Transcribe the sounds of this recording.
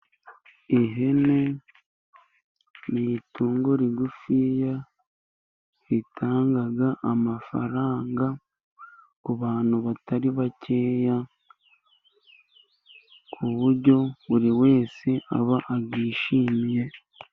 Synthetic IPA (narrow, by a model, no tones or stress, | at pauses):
iɦe̞ne̞ | nituːŋɡo̞ɾiɡufija | hitʰaːŋɡaɡaʔamafa̰ɾaːŋɡa | kuβaːn̥huβataɾiβace̞ːja | kʰuβuɾɟo̞βuɾiwe̞ːseʔa̰βaʔaɡiːʃiːmije̞